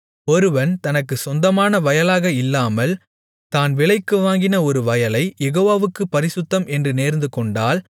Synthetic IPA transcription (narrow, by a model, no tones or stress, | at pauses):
ɔɾɯʋɐnt̪ɐnɐkːɯsɔnd̪ɐmaːnɐʋɐjɐlaːɣɐɪlːaːmɐl | t̪aːnʋɪɭɐɪkːɯʋaːŋɡɪnɐɔɾɯʋɐjɐlɐɪjɛɣoːʋaːʋɯkːɯpːɐɾɪsʊt̪ːɐmʔɛndrɯneːɾnd̪ɯkɔɳɖaːl